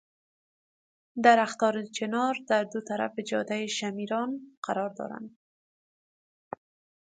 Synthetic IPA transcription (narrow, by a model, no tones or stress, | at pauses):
d̪aɾaxt̪ɔɾɪt͡ʃɪnɒɾd̪aɾd̪ʊt̪aɾa̰fɪd͡ʒɒd̪ajɪʃamiɾɒnqʰaɾɒɾd̪ɒ̰ɾa̰nd̪